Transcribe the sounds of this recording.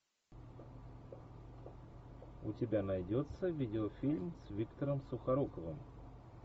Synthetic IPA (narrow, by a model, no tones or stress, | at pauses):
ʊ̰tʲɪbʲanɐjdʲot̪səvʲidʲɪofʲilʲmsvʲikt̪əɾəmsʊxɐɾokəvɨm